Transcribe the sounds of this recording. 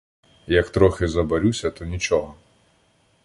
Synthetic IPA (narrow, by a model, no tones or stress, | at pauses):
jɐkt̪ɾɔxʲɪzɐbɐɾʲusʲɐt̪ɔnʲit͡ʃɔɦɔ